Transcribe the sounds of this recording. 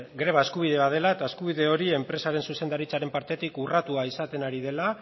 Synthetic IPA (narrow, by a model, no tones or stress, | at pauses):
ɡɾe̞βae̞skuβ̞iðe̞βaðe̞laet̪aeskuβ̞iðe̞o̞ɾie̞mpɾe̞saɾe̞nsuse̞nd̪aɾit͡saɾe̞mpaɾt̪e̞t̪ikurat̪uaisat̪e̞naɾiðe̞la